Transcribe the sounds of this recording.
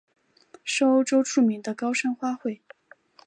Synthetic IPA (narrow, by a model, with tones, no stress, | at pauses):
ʂo˥ʈ͡ʂo˥ʊʈ͡ʂʰu˥˩mi˧˥ŋd̪ə˧kɑ˥ʊʂə˥nxwa˥xwe˥˩ɪ